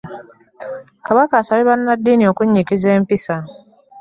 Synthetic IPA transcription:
kaβakaːsaβiβanːadːiːnio̞kuɲːikizeːmpisa

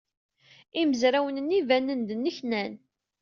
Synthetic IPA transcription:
iməzɾæwənənːivænːənd̪ənːəçnæn

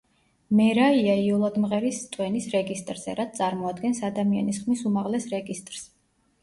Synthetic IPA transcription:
mɛɾaiaiɔlˠad̪mʁɛɾist̪ʼwɛnisɾɛɡist̪ʼɾz̥ɛ̰ɾat̪̚ʰt̪sʼaɾmɔad̪ɡɛnsad̪amia̰nisχmisumaʁlɛsɾɛɡist̪ʼɾs

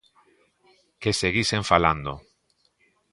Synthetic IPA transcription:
keseɣiseɱfaland̪o

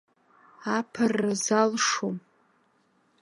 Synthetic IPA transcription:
apʰɨrazalʂom

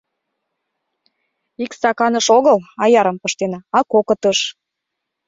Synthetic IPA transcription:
ikst̪ɑkɑnəʃoɣəlɑjɑɾə̆mpɤʃt̪enɑɑkokɤt̪əʃ

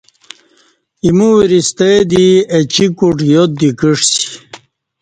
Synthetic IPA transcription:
imuwiɾist̪ed̪iet͡ɕikuʈjot̪̚d̪ikiʂsi̥

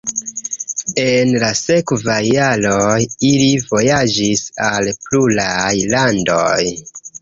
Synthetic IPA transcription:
e̞nlase̞kvajːaɾojilivo̞jad͡ʒisalplulajlandoj

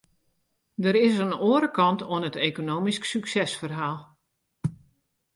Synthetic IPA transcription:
dəɾɪsənoːɾəkɑntoənəteːkonoːmisksyksɛsfərɦaːlˠ

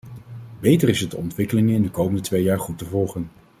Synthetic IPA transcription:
bejtərɪsətdəɔntʋɪkəlɪŋɪndəkowməndətʋejaːɹχutəvɔlˠχən

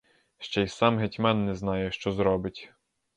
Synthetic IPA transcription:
ʃt͡ʃɛjsɑmɦetʲmɛnːɛznɑjɛʃt͡ʃɔzɾɔbɪtʲ

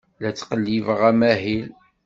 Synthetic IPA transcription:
læt͡sːqəlːivʁæmæɦil

